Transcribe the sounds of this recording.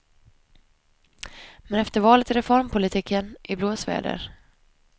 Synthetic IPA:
mɛnɛft̪əɾvɑːlət̪ɪɾɛfɔɾmpʰʊlɪt̪ʰiːkʰːənʔɪbloːsvæ̰ːɖə̰ɾ

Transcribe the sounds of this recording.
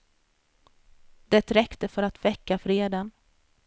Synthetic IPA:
d̪̥ɛt̪ɾɛkt̪əfœɾat̪vɛkːafɾeːd̪ən

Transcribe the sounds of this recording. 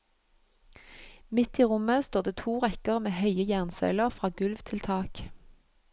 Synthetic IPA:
mɪt̪iːʁʊməst̪oːʁd̪eːt̪ʰuːʁɛkəʁmeːhœʏəjæʁnsœ̰ʏləʁfʁɑːɡʉlʋt̪ʰɪlt̪ʰɑːk

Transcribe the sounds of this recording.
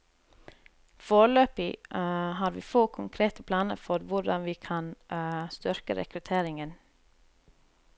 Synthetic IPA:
foːɾəløːpiːhɑːɾʋḭːfoːkʰʊŋkʰɾeːt̪əpʰlɑːnə̰ɾfɔɾʋʊɖɑnʋiːkʰɑnst̪ʏɾkə̰ɾʔɛ̰kɾʉt̪ʰeːɾɪŋən

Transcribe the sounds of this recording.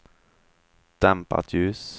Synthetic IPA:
d̪̥æmpə̰ʁt̪ʰʉːs

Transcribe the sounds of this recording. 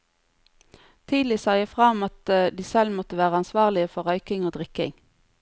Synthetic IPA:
t̪ʰiːd̪l̩ɪsɑɪəfʁɑmɑt̪d̪iːsɛlmɔt̪əʋæːʁəɑnsʋɑːʁlɪəfɔʁœʏkɪŋoːd̪ʁɪkɪ̰ŋ

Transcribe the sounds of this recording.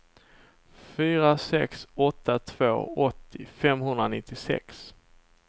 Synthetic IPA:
fyːɾasɛksɔt̪ʰːat̪ʰv̥o̰ːɔt̪ʰːɪfɛmɦɵnd̪ɾanɪt̪ʰːɪsɛ̰ks

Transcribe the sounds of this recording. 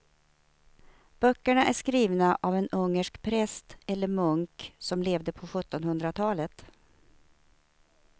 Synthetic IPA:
b̥œkːəɳaʔæʂkɾiːvnaʔavɛnɵŋːəʂkpʰɾɛst̪ɛlːəɾmɵŋksɔmleːvd̪əpʰɔɧɵt̪ːɔnhɵnd̪ɾat̪ʰɑːlət̪

